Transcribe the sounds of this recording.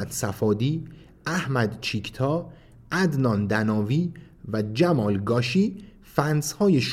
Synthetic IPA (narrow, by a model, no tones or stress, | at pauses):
æd̪̥sæfɒːd̪iː | ʔæhmæd̪t͡ʃʰicʰt̪ʰɒː | ʔæd̪nɒːnd̪ænɒːviː | væd͡ʒæmɒːlɡɒːʃiː | fænshɒːjeʃ